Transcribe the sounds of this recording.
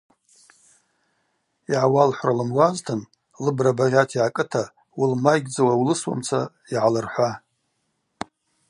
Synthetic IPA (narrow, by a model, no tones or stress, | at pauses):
iʕawalħʷralɨmwaztʰɨn | lɨbrabarʲatʰiʕakʼɨtʰa | wulmajɡʲd͡zawawlɨswa̰mt͡sʰa̰ | iʕalɨrħʷa